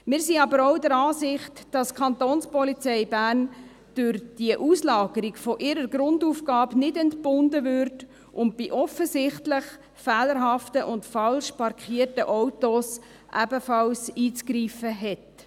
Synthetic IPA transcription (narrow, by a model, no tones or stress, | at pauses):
mɪːɾsiɑbəɾɔʊdəɾɑːsɪχtd̥ɑskʰχɑntoːnspɔlit͡sɛɪbæːrn | d̥ʊɾd̥iəʔuslɑːɡ̥əɾiɡfɔʔɪɾəɾɡɾʊnduːfɡ̥ɑːbnɪdɛntb̥ʊndəvʏɾt | ʔʊnt̚b̥iʔɔfəsɪχtlɪχ | fɛːləɾɦɑftəʔʊntfɑlʃpɑɾkʰχiːərtəʔɔwtos | ʔæbəfɑlsiːt͡skɾiːfəɦɛt